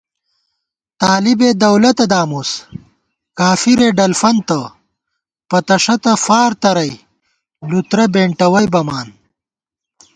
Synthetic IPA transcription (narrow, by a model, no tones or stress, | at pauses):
t̪aːlibed̪ɐwlɐt̪ɐd̪aːmus | kaːfiɾeːɖɐlfɐnt̪ɐ | pɐt̪ɐʂɐt̪ɐfaːɾt̪ɐɾɐj | lut̪ɾɐbeːɳʈɐwɐjbɐmaːn